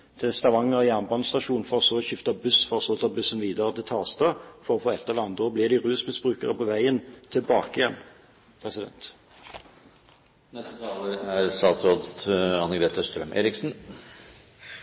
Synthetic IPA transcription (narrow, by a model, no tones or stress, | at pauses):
d̪̥ʰɛst̪ɑʋɑŋːəʁɪæʁnbɑːnst̪ɑʃuːnfɔʁɔsoːɕʏft̪ɑbʉsfɔʁɔsɔlt̪ɑbʉsənʋiːd̪əʁəd̪ɛt̪ʰɑːʁst̪ɑfɔʁɔfoːɛt̪ːɛlɑnd̪əɔblɪʁd̪ɪʁʉːsmɪsbʁʉːkəʁəpʰɔʋæɪənt̪ʰɪlbɑːkəɪjɛn | pʰʁɛsɪd̪ɛ̰nt̪ | nɛst̪ət̪ʰɑːləæɾst̪ɑːt̪sɾoːd̪ɑnəɡɾeːt̪əst̪ɾœ̰mʔḛːɾɪksn̩